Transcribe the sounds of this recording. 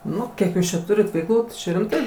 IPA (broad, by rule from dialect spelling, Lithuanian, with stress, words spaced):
ˈnʊ ˈkʲiɛk ˈjuːs t͡ʃʲɛ ˈtʊrʲɪt ʋʲɛɪkˈlˠuː tɐɪ ˈt͡ʃʲɛ rʲɪmˈtɐɪ